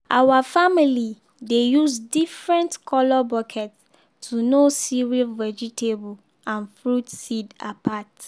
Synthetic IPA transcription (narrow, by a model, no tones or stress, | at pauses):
ʔawafamili | dejusdifɹɛ̃ntkʰɔlɔbɔkʰɛts | tʰːunosiɹivɛd͡ʒitʰebl | ãnfɹutsidapʰat